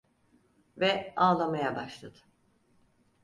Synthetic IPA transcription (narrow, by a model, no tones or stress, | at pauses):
vɛaːlˠamajabaʃlˠad̪ɯ̥